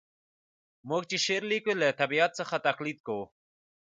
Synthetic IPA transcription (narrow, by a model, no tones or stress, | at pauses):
mok̚t͡ɕiɕeɾlikulet̪ɐbiat̪̚sɐxat̪ɐqlid̪̚ko